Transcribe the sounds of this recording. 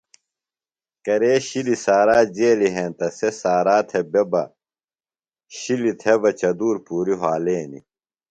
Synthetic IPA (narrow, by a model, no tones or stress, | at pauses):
kɐɾeːɕilisaːɾaːd͡ʑeːliɦẽːnt̪ɐsesaːɾaːt̪ʰebebɐ | ɕilit̪ʰebɐt͡ɕɐd̪uːɾpuːɾiɦaːleːnḭ